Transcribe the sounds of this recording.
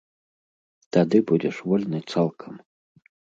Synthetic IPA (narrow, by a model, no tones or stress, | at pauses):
t̪ad̪ɨbud͡zʲɛʂvɔlʲnɨt̪salˠkʰɐm